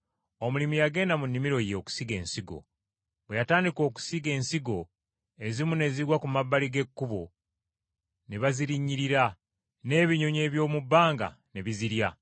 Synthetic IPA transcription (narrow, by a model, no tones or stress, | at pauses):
o̞mulimijaɡe̞ːndamunːimiɾo̞je̞ːku̥siɡe̞̰ːnsiɡo̞̰ | βwe̞jataːndiko̞ːku̥siɡe̞ːnsiɡo̞ | e̞zimune̞ziɾwakumabːaliɡe̞kːuβo̞ | neβaziɾiɲːiɾiɾa | ne̞ːβiɲo̞ɲe̞ːβjo̞ːmubːaːŋɡa̰ | ne̞βiziɾja